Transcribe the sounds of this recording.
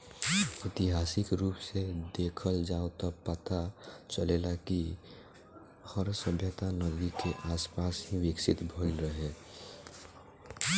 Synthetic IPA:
ɪt̪iɦaːsɪkɾuːpsed̪eːkʰəld͡ʒaːot̪apət̪at͡ʃəleːlaki | həɾsəbʱjət̪anəd̪ikeʔaːspaːsɦiʋɪksɪt̪bʱəlɾəɦe

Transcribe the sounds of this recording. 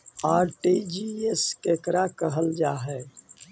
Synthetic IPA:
aːɾʈid͡ʒieskekɾakəɦəld͡ʒaːɦɛː

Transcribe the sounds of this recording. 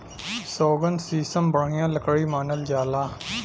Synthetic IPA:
soːɡənsiːsəmbəɽ̤ɪjãːləkɽimaːnəld͡ʒaːlaː

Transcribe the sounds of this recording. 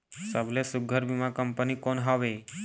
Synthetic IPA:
səblesuɡʱəɾbimãkəmpənikonɦəʋe

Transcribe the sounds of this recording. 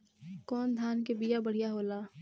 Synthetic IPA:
kɔːnd̪ʱaːnkebijabəɽ̤ijaɦoːlaː

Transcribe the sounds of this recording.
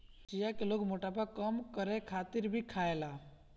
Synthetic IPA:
t͡ʃijakeloɡmoʈapakəmkəɾekʰat̪ɪɾbʱikʰaela

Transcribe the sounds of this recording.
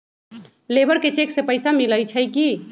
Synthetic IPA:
lebəɽket͡ʃeksepəɪsamiləjt͡ʃʰəjki

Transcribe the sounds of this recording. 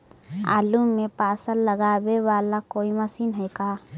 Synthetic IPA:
a̰ːlumːepaːsəlːəɡaːbewaːlakoːimɐsiːnɦɛjkaː

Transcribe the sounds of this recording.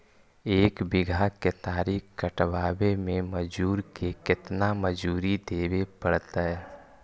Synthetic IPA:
eːkbɪɡʱaket̪aːɾiːkkəʈwaːwemẽməd͡ʒuːɾkekɪt̪naməd͡ʒuːɾid̪eːwepəɽt̪aɦɛː

